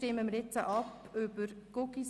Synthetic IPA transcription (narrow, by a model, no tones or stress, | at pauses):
tɪməməɾjɛt͡sə̰ʔɑp | øb̥əɾɡ̥okis